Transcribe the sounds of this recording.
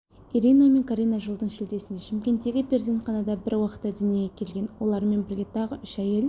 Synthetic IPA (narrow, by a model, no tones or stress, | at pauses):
iɾiname̞ŋkʰaɾʲijnaʒəlˠd̪əɴʃɪld̪e̞sɪnd̪eʃɪmkʲe̞nt̪ːe̞ɡʲɪpʰʲeɾzent̪qɑnɑd̪ɑbɪɾwɑqə̥t̪ːɑd̪ʏnijeɡʲekʲʰe̞lɡʲe̞nwo̞lˠɑɾme̞nbɪɾɡʲe̞t̪ʰɑʁəʏʃæjel